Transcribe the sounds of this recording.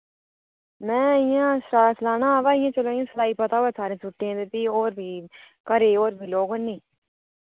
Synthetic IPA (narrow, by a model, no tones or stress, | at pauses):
mɛ̃ːɪjãːsaslaːnaːaːʋaːɪjãːt͡ʃəlõːɪjãːsəlaːiːpət̪aːʋɛːsaːɾẽːsʊʈːeãːd̪et̪iːoːɾbʱiː | kəɾeːoːɾbʱiːloːɡənːeː